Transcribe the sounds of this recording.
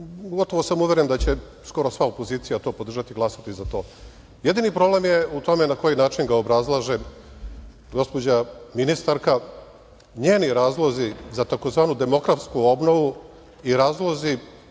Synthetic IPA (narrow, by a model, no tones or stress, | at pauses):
ɡo̞t̪o̞ʋo̞samuʋeɾend̪at͡ɕe̞ | sko̞ɾo̞sʋaopo̞ziːt̪sijat̪o̞ːpod̪r̩ʒat̪iɡlˠasat̪izat̪o̞ː | je̞d̪inipɾo̞ble̞mjeut̪o̞menako̞jinaːt͡ʃinɡaobɾazlˠaʒe | ɡo̞spo̞d͡ʑaminist̪aɾka | ɲeːniɾaːzlˠo̞zizat̪ako̞zʋaːnud̪e̞mo̞kɾat̪skuo̞bno̞ʋu | iɾaːzlˠo̞zi